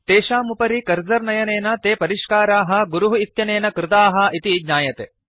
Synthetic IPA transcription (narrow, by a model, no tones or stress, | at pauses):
t̪eːʃaːmupɐɾikɐɾd͡ʒɐɾnɐjɐneːnɐt̪eːpɐɾiʃkaːɾaːɦɐ̆ɡuɾuɦuit̪jɐneːnɐkɾɪt̪aːɦɐ̆ʔit̪iɡɲaːjɐt̪e